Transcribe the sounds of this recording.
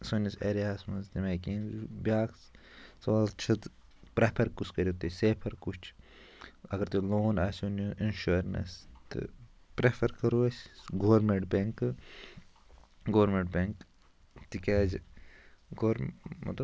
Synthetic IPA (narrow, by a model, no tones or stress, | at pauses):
soniseːɾijaːsmɐnzt̪imeːkiːnbʲaːk | sɐʋaːlt͡ʃʰɐt̪ | pɾepʰɐɾkuskɐɾit̪iseːpʰɐɾkut͡ʃʰ | ɐɡɐɾt̪uloːnaːsʲunuʔinʃuɾnɐ̰st̪ɨ̰pɾepʰɐɾkɐɾuɐsʲɡoːɾmeɳʈbeŋk | ɡoːɾmeɳʈbʲeŋk | t̪ikʲaːd͡ʒ | ɡoːɾmɐ̰t̪lɐb